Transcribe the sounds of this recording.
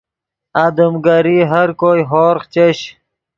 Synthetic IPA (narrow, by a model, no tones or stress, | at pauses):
ad̪əmɡaɾiɦɐɾkojɦoːɾχt͡ɕeɕ